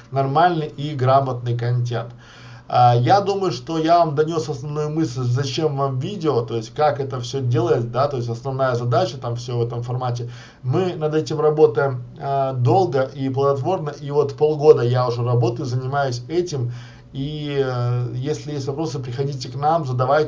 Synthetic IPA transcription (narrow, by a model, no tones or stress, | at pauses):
nɐrmalʲnɨjʔiɡɾamət̪̚nɨjkɐnʲtʲe̞nt̪ | əjad̪uməjʊʂt̪o̞javamd̪ɐnʲo̞sɐsnɐvnujʊmɨsʲllʲzɐt͡ɕe̞mvamvʲidʲɪot̪o̞ɪsʲtʲkakɛt̪əfsʲɵdʲe̞lˠəjɪt̪̚d̪at̪o̞jɪsʲtʲɐsnɐvnajəzɐd̪at͡ɕət̪amfsʲovɛt̪əmfɐrmatʲɪ | mɨnɐd̪ɛtʲɪmrɐbo̞t̪əjɪm | əd̪o̞lˠɡəʔiplˠəd̪ɐt̪vo̞rnəʔivo̞t̪po̞lˠɡo̞d̪əjaʊʐɛrɐbo̞t̪əjʊzənʲɪmajʊsʲɛtʲɪm | i | jesʲlʲɪjesʲtʲvɐpɾo̞sɨpɾʲɪxɐdʲitʲɪknamzəd̪ɐvaj